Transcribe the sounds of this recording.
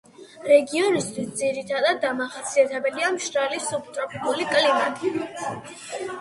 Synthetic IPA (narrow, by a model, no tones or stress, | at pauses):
ɾɛɡiɔnist̪ʰwisd̪ziɾit̪ʰad̪ad̪ːamaχasʰiat̪ʰɛbɛliamʃɾalisup̚t̪ʼɾɔpʰikʼulikʼlina